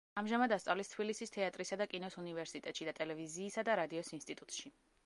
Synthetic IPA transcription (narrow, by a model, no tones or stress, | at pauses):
amʒamad̪ast̪sʼavlist̪ʰbilisist̪ʰɛat̪ʼɾisad̪akʼinɔsunivɛɾsit̪ʼɛt̪ʼʃid̪at̪ʼɛlɛviziːsad̪aɾad̪iɔsinst̪ʼit̪ʼut̪ʼʃi